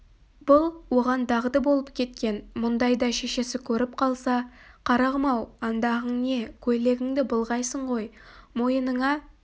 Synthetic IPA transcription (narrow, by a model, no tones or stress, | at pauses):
b̥ʊlˠwo̞ʁɑnd̪ɑʁəd̪bolˠəpkʲʰe̞t̪kʲe̞nmʊnd̪ɑjd̪ɑʃe̞ʃe̞sɪkʲʰɵɾɪp̚qʰɑlˠsɑ | qʰɑɾɑʁəmɑwɑnd̪ɑʁəɴne̞kʲʰɵle̞ɡʲɪŋd̪ɪbʊlˠʁɑjsəɴʁo̞jmo̞jənəɴɑ